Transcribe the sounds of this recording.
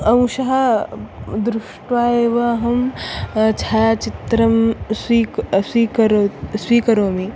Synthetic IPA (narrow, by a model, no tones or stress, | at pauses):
ɐw̃ʃɐɦɐ | d̪ɾʊʃʈʋaːeʋaɦɐm | t͡ʃʰaːt͡ʃit̪ɾɐmsisiːkɐɾoswiːkɐɾoːmi